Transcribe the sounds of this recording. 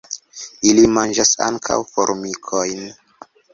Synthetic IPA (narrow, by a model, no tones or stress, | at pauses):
ilimand͡ʒasa̰ŋkʰa̰wfo̰ɾmikʰojn